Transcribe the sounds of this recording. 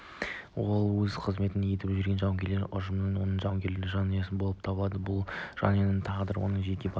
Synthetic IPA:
wo̞lˠwɵzqʰəzme̞t̪ɪne̞t̪ɪpʒʏɾɡʲe̞nʒɑwŋɡʲe̞ɾleɾʔʊ̰ʒəmnənwo̞nəɴʒɑwŋɡʲe̞ɾlɪʒɑnɑjɑsɪnbolˠəpt̪ʰɑbəlˠɑd̪əbʊlˠʒ̥ɑ̰njɑnənt̪ʰɑʁd̪əɾwonəɴʒe̞kʲe̞bɑ

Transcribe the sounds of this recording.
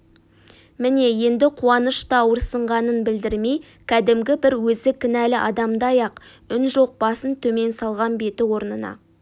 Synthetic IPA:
mɪne̞je̞nd̪ɪqʰuɑnəʃt̪ɑwəɾsəɴʁɑnənbɪld̪ɪɾme̞j | kʲʰæd̪ɪmɡʲɪbɪɾwɵzɪkʲʰɪnælɪʔɑ̰d̪ɑmd̪ɑjɑq | ʏnʒo̞q̚bɑsənt̪ʰɵme̞nsɑlˠʁɑnbe̞t̪ɪwo̞ɾnənɑ̰

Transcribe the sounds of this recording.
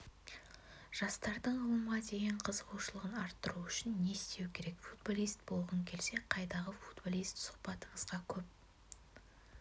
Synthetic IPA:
ʒ̥ɑst̪ɑɾd̪əɴʊlˠəmʁɑd̪e̞jɪɴqʰəzqʰoʃəlˠəʁənɑɾt̪ːəɾuʏʃɪnːe̞st̪e̞wkʲʰe̞ɾe̞kfud̪̚bolˠijst̪̚bo̞lˠʁəŋkʲʰe̞lse̞qʰɑjd̪ɑʁəfu̥d̪bolˠijst̪sʊ̥qpɑt̪əɴəzʁɑkʲʰɵp̚

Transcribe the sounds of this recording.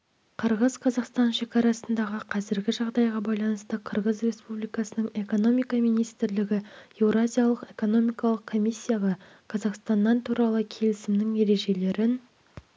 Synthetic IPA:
qʰəɾʁəzqʰɑzɑqst̪ɑnʃe̞kʲɑɾɑsənd̪ɑʁəqʰɑzɪɾɡʲɪʒɑʁd̪ɑjʁɑbɑjlˠɑnəst̪əqʰəɾʁəzrʲe̞spublijkɑsənəɴe̞ko̞no̞mijkɑmijnijst̪ɪɾlɪɡʲɪe̞vɾazʲijalˠəqe̞ko̞no̞mijkɑlˠəqkʰo̞misʲːijaʁɑ | qʰɑzɑqst̪ɑnd̪ɑnt̪ʰuɾɑlˠəkʲʰe̞lɪsɪmnɪŋje̞ɾe̞ʒe̞le̞ɾɪn

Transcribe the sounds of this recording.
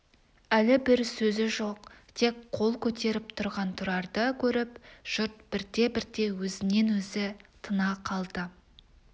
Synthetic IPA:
ælɪbɪɾsɵzɪʒo̞qt̪ʰe̞kqʰo̞lˠkʲʰɵt̪e̞ɾɪpt̪ʰʊɾʁɑnt̪ʰʊɾɑɾd̪əkʲʰɵɾɪpʒ̥ʊɾt̪̚b̥ɪɾd̪e̞bɪɾt̪e̞wɵzɪne̞nwɵzɪt̪ʰənɑqʰɑlˠd̪ə

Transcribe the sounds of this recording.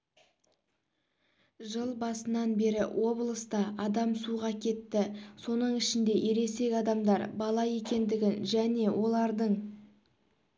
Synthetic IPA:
ʒəlˠbɑsənɑnbe̞ɾɪ̰wʔo̞blˠəst̪ɑʔɑd̪ɑmsuʁɑkʲʰe̞t̪ːɪso̞nəɴɪʃɪnd̪e̞ʔe̞ɾe̞se̞kʲɑd̪ɑmd̪ɑɾbɑlˠɑje̞kʲe̞nd̪ɪɡʲɪnʒæne̞wʔo̞lˠɑɾd̪əɴ

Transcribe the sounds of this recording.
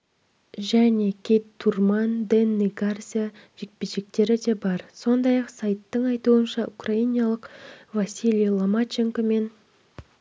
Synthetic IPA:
ʒæne̞kʲʰet̪t̪ʰːurmɑnd̪enːiɡarzʲija | ʒ̥e̞k̚peʒe̞k̚t̪e̞ɾɪd̪e̞bɑɾso̞nd̪ɑjɑqsajt̪ːəɴɑjt̪uənʃɑʔukrainijɑlˠəqvasʲilʲijlˠomat͡ʃeŋkome̞n

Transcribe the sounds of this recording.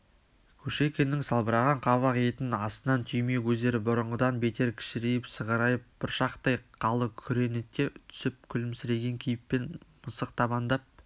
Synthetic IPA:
kʲʰɵʃe̞kʲe̞nɪŋsɑlˠbəɾɑʁɑɴqʰɑβɑqje̞t̪ɪnɑsənɑnt̪ʰʏjme̞kʲʰɵzd̪e̞ɾɪbʊɾəɴʁəd̪ɑnbe̞t̪e̞ɾkʲʰɪ̥ʃɪɾejɪpsəʁɑɾɑjəp̚b̥ɪɾʃɑqt̪ɑjqʰɑlˠəkʲʰʏɾe̞net̪̚kʲːe̞t̪ʰʏ̥sɪp̚kʲʰʏlɪmsɪɾe̞ɡʲe̞ŋkʲʰijɪpːe̞nməsəq̚t̪ʰɑβɑnd̪ɑp̚

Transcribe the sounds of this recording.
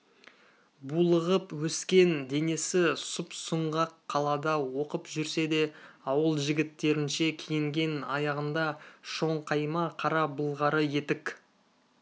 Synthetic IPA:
bulˠəʁəpwɵskʲe̞nd̪e̞ne̞sɪsʊpsʊɴʁɑqʰːɑlˠɑd̪ɑwo̞qəpʒʏɾse̞d̪e̞ɑwəlˠʒɪɡʲɪt̪ːe̞ɾɪnʃe̞kʲʰejɪŋɡʲe̞nɑjɑʁənd̪ɑʃo̞ɴqʰɑjmɑqʰɑɾɑbʊlˠʁɑɾəje̞t̪ɪk

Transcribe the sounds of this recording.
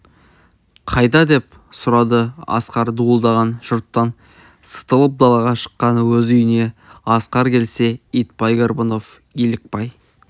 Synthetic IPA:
qʰɑjd̪ɑd̪e̞p̚ | sʊɾɑd̪əɑ̰sqɑɾd̪uəlˠd̪ɑʁɑnʒʊɾt̪ːɑn | sə̥t̪əlˠəp̚d̪ɑlˠɑʁɑʃə̥qːɑnəwɵzʏjɪne̞ɑsqɑɾkʲʰe̞lse̞ijt̪pɑjɡʲerbono̞f | ilɪk̚pɑj

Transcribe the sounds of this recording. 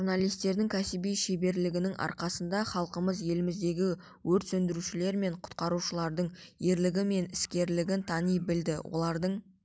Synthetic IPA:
ʒuɾnalˠijst̪e̞ɾd̪ɪŋkʲʰæsɪbijʃebe̞ɾlɪɡʲɪnɪŋɑ̰ɾqɑsənd̪ɑχɑlˠqəməzje̞lɪmɪzd̪e̞ɡʲɪ | wɵɾt̪sɵnd̪ɪɾuʃɪle̞ɾme̞ɴqʰʊ̥t̪̚qɑɾuʃəlˠɑɾd̪əɴje̞ɾlɪɡʲɪme̞nɪskʲe̞ɾlɪɡʲɪnt̪ʰɑnijbɪld̪ɪwo̞̰lˠɑɾd̪əɴ

